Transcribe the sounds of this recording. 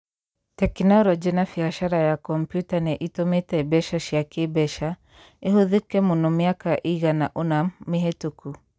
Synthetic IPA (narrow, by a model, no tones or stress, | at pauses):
tɛknɔlɔd͡ʒinafiaʃaɾajakɔmpjutanɛʔitɔmetabɛʃaʃiakebɛʃa | iɦuðikɛmunɔmiakaʔiɣanaʔunamːiɦetuku